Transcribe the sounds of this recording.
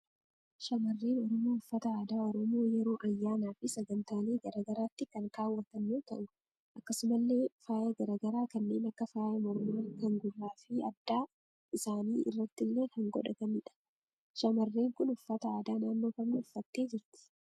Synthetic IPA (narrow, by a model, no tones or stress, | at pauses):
ʃɐmɐrːeːnɔɾɔmoːʊfːɐt̪ɐaːd̪aːɔɾɔmo̞ːjɛɾo̞ːʔɐjːaːnaːfɪsɐɡɐnt̪aːle̞ːɡɐɾaːɡɐɾaːt̪ːɪkɐŋkaːwːɐt̪ɐnːoːt̪ɐ̰ʔʊ | ʔɐkːɐsʊmɐlːe̞ːfaːjɐɡɐɾaɡɐɾaːkɐnːe̞ːnɐkːɐfaːjɐmɐɾmaːkɐŋɡʊrːaːfɪɐd̪ːaː | ɪsaːniːʔɪ̰rːɐt̪ːɪlːe̞ːkɐŋɡɔ̰ᶑɐkɐnɪᶑɐ̥ | ʃɐmɐrːeːŋkʊnʊfːɐt̪ɐaːd̪aːnaːnːo̞ːkɐmnɪʊfːɐt̪ːe̞ːd͡ʒɪɾt̪ɪ̥